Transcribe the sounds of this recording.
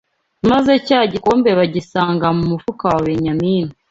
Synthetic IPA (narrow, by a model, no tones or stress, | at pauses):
mazecaːɟiko̞ːmbe̞βaɟisaːŋɡamumufukawaweɲamiːnu